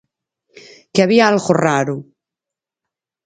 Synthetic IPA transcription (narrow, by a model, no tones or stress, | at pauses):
keaβiaalɣoraɾu